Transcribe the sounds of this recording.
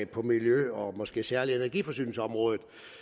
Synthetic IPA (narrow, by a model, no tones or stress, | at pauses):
pʰɒ̽miljøɒ̽mɒ̽sɡ̥e̝̰ːsæɐlienæɐɡ̥ifɒ̽sy̰ːnl̩səɒ̽mʁɔ̽ːðˠð̩ˠ